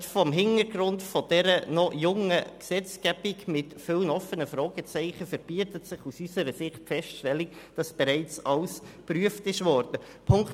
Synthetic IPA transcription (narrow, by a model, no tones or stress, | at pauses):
tfɔmɦɪnəɾɡ̥ɾʊntfɔd̥ɛɾənɔjʊŋəksɛt͡skæb̥ikmɪtfɪlnɔfənəfɾɔːɡ̥ət͡sɛɪχəfəɾb̥iːətətsɪχusysəɾəsɪχtfɛstʃtɛlːikd̥ɑsb̥ɛɾɛɪt͡sɑls | pɾyəftɪʃʋɔːɾd̥ə | pʰʊŋk